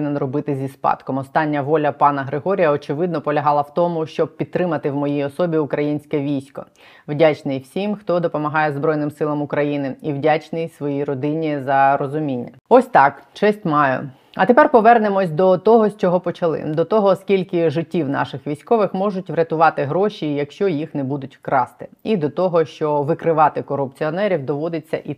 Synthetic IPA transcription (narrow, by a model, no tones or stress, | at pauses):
nɛnrɔbɪt̪ɪzʲispɑ̰t̪kɔmɔst̪ɑnʲːɐʋɔlʲɐpɑnɐɦɾɪɦɔɾʲijɐɔt͡ʃɪʋɪd̪nɔpɔlʲɐɦɑlˠɐwt̪ɔmʊʃt͡ʃɔb̚pʲid̪t̪ːɾɪmɐt̪ɪwmɔjijɔsɔbʲiʊkɾɐjinʲsʲkɛʋʲijsʲkɔ̰ | wdʲat͡ʃnɪjwsʲimxt̪ɔd̪ɔpɔmɐɦɑjɛzbɾɔjnɪmsɪlˠɐmʊkɾɐjinɪiwdʲat͡ʃnɪjsʋɔjiɾɔd̪ɪnʲːizɐɾɔzʊmʲinʲːɐɔsʲt̪ɑkt͡ʃɛsʲtʲmɑjʊ̰ | ɐt̪epɛrpɔʋɛrnemɔsʲd̪ɔt̪ɔɦɔsʲt͡ʃɔɦɔpɔt͡ʃɐlˠɪ̰d̪ɔt̪ɔɦɔskʲilʲkɪʒɪtʲːiwnɑ̰ʃɪxʋʲijsʲkɔʋɪxmɔʒʊtʲʋɾʲɐt̪ʊʋɑt̪ɪɦɾɔʃijɐkʃt͡ʃɔjixnɛbud̪ʊtʲkɾɑst̪ɪ̥id̪ɔt̪ɔɦɔʃt͡ʃɔʋɪkɾɪʋɑt̪ɪkɔrʊpt͡sʲiɔnɛɾʲiwd̪ɔʋɔd̪ɪt͡sʲːɐ̰ʔi